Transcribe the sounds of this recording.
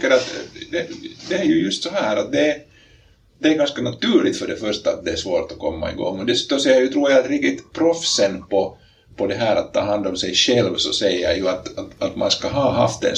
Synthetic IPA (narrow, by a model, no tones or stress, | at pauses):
kːəɾat̪d̪ɛd̪ɛæɾjʉjɵst̪sɔɦæːɾat̪̚d̪ɛ | d̪ɛæɡanskanat̪ʉːɭɪt̪fœɖɛfœʂʈaːt̪̚d̪ɛæʂvoːɾt̪ɔkʰɔmːa̰ḭɡɔ̰ŋːɔd̪ɛsʉːt̪ɔsɛjːaɾjɵt̪ʰɾuːɾjaald̪ɾɪkt̪ɪt̪pʰɾɔfsənpɔ | pʰɔd̪ɛɦæːɾat̪ʰːɑːɦand̪ɔmsɛjɕɛlvsɔsɛjːɑjɵat̪at̪at̪ma̰nskaɦɑːɦa̰ft̪ɛ̰n